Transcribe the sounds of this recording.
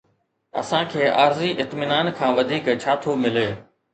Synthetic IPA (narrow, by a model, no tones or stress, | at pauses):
ɐ̰sãːkʰeːʔaːɾziʔɪt̪mɪnaːnkʰãːʋɐd̪ʱiːkt͡ɕʰaːt̪ʰomɪleː